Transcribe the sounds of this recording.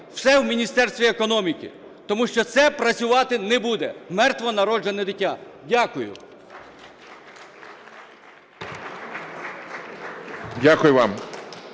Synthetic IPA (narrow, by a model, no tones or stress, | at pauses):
w̥sɛwmʲinʲist̪ɛrst̪ʲʋʲiekɔnɔmʲikɪ̰ | t̪ɔmuʃt͡ʃɔt̪sɛpɾɐt͡sʲʊʋɑt̪ɪnɛbud̪ɛmɛrt̪ʋɔnɐɾɔd͡ʒenɛd̪ɪtʲːadʲakʊjʊ̰ | dʲakʊjʊʋɑm